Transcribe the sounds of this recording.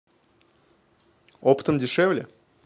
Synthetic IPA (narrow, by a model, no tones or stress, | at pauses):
opə̥t̪əmdʲɪʂɛvlʲɪ̰